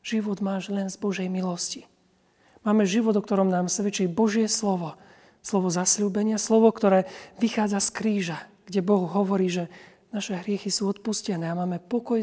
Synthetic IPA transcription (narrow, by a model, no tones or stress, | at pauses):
ʒ̥iʋɔd̪maːʒlɛnzbɔʒɛjmilɔsci̥ | maːmɛʒiʋɔd̪ɔk̚t̪ɔɾɔmnaːmsʋɛt͡ʃiːbɔʒɪɛslɔʋɔ | slɔʋɔzasluːbɛɲɪaslɔʋɔkt̪ɔɾɛːʋixaːd͡zaskɾiːʒaɡ̥ɟɛbɔɣɦɔʋɔɾiːʒɛ | naʃɛɦɾɪɛxisuːɔt̪̚puscɛnɛːamaːmɛpɔkɔj